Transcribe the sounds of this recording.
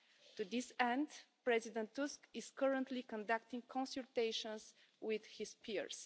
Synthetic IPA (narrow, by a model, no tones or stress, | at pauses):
t̪ud̪isɛ̃nd̪pɹɛzid̪ɛ̃nt̪ːuskɪz̥kəɹə̃nt̪likɔ̃nd̪ak̚t̪ĩŋkʰɔ̃nsɨlt̪eɪʃɔ̃nz | wɪð̥hispʰiɹs